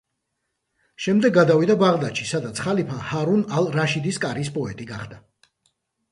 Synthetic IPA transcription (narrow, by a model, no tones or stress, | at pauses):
ʃɛmd̪ɛɡːad̪avid̪abaʁd̪aʃisad̪at̪sʰχalipʰahaɾunalˠɾaʃid̪iskʼaɾispʼɔɛt̪ʼiɡaχd̪a